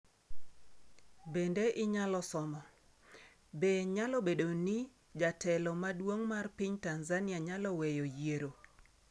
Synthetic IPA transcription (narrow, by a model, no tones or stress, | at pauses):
bendeʔɪɲalɔsɔmɔ | beɲalɔbedoni | d͡ʒatʰɛlɔmadwoŋmarpiɲtanzanɪaɲalɔwejojeɾo